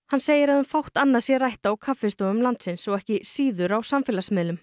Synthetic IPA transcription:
hanseːjɪɾaðʏmfawht̪anːaðsjɛrajht̪aawkʰafɪst̪oʏmlant̪sɪnsɔɣɛhcɪsiːðʏɾawsamfɪːlasmɪːlʏm

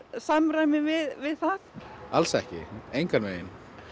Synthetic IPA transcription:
samɾajmɪvɪðvɪðθaθalsɛhcɪ̰ejŋkanveːjɪn

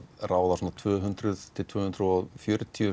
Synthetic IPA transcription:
raːwðasɔːnat̪ʰvœːɦʏnt̪ɾʏðt̪ʰɪlt̪ʰvœːhʏnt̪ɾʏɔɣfjœɾt̪ʰiʏ

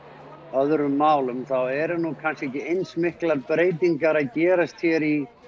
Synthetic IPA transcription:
œðɾʏmːaːwlʏmθawɛɾnukʰanscɛcɪejnsmɪhklaɾpɾeːjt̪iŋkaɾaðcɛːɾast̪çɛɾi

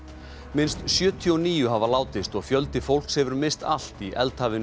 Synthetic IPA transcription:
mɪnst̪sjœːt̪ʰiɔɔniːjʏɦavalaːwt̪ɪst̪ɔɣfjœlt̪ɪfowl̥kshɛvʏɾmɪst̪a̰l̥t̪iʔɛ̰lt̪haːvɪn

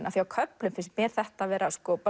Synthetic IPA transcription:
nʔaθiawkʰœplʏmfɪnsmjɛːɾ̥θɛht̪avɛːɾaskɔpœ

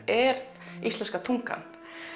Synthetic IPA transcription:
ɛɾ | ist̪ɛnskat̪ʰuŋka̰n

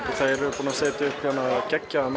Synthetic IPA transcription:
ɔθajɛɾɪpuːnaseːt̪ɪʏhpçanːacɛcːaam

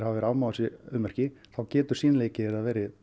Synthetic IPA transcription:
havavɛɾaːwmaːwʏsɪʏmːœr̥cɪθawcɛːt̪ʏɾ̥siːnaleːjcɪɛɾaðvɛːɾɪ

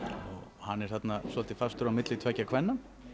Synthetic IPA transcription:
ɔɣhanːɛɾ̥θat̪nasvɔlt̪ɪfast̪ʏɾawmɪt̪lɪt̪ʰvɛcːakʰvɛnːa

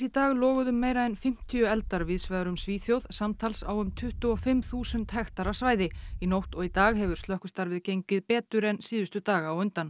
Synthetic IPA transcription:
sit̪aːɣlɔːɣʏðʏmːeːjɾaɛnfɪm̥t̪ʰiʏɛlt̪aɾvɪðsvaðɾʏmsviːθjowðsamt̪ʰalsa̰ːwʏmt̪ʰʏht̪ʏɔfɪmθuːsʏnt̪hɛxt̪aɾasvaːjðɪinowht̪ɔɣit̪aːɣɦɛvʏɾ̥st̪lœhkʏst̪aɾvɪðcejɲcɪðpɛːt̪ʏɾɛnsiːðʏst̪ʏt̪aːɣaːwʏnt̪an

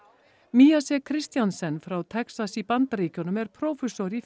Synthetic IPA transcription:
miːasɛkʰɾɪst̪jansɛnfɾawt̪ʰɛksasipant̪aɾiːcɔnʏmɛɾ̥pʰɾoːwfɛsɔɾif

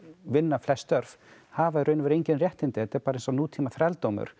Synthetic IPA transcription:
vɪnːaflɛst̪œɾv̥ | haːvaɪɾœɥnʏvɛɾejɲcɪnrjɛht̪ɪnt̪ɪhɛt̪ɪɛɾpaːɾejnsɔnuːt̪ʰiːmaθɾɛlt̪oːwmʏ̰ɾ̥

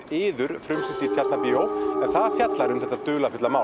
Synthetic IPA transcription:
ɪːðʏɾ̥fɾʏmsɪnt̪it̪ʰjat̪napiːowɛv̥θaðfjat̪laɾʏmθɛht̪at̪ʏːlafʏt̪lamaːw

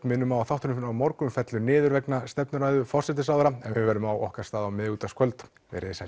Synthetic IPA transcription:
nmɪnːʏmaaθawht̪ʏnʏfnawmɔɾkʏmfɛt̪lʏnɪːðʏɾvɛknast̪ɛpnʏɾaːjðʏfɔr̥sɛt̪ɪsawðɾaɛnvɪvɛɾʏmawʔɔ̰hkaɾ̥st̪aːðawmɪðuːt̪askʰvœlt̪ | vɛ̰ɾɪsa

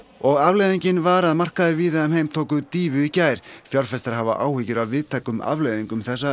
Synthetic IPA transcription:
ɔɣavlejðiɲcɪnvaɾaðmar̥kaðɪɾviːðaɛmhejmt̪ʰoːwkʏðt̪iːvʏicaːjɾ̥fjɔlfɛst̪aɾhava̰ʔaːwhɪcɪɾawvɪðt̪ʰaːjkʏma̰vlejðiŋkʏmθɛsːa

